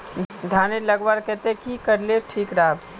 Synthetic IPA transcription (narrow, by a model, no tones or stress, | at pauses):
d̪ʱaːnelɐɡwaːɾkɛt̪ekikɐɾleʈʰiːkɾaːb